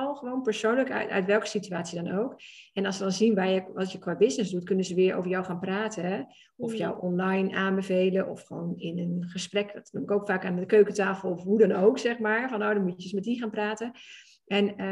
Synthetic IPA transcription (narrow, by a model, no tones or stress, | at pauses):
ɔlˠxəʋoːnpəɹsownləkœ̰ɥtʋɛlˠkə̥sityaːtsiədɔnowkɛnɑlˠsʋədɑnzinʋaːjəɑsjəkʋaːbɪsnɪzdutkɵnəzəʋɪːəɹʔo̰ːvəɹjawxaːnpraːtʰəɛ | ɔfjɔwʔɔnlajnaːnbəvejləʔɔ̰fxəʋownɪnənχəsprɛkdɔtnumɪkowkfaːkaːnəkøːkətaːfəl̩ˠɔfɦudɔnowksɛxmaːɹfɔnːoːdɔnmuədəsmɛt̚ixaːnpraːtə | ʔɛn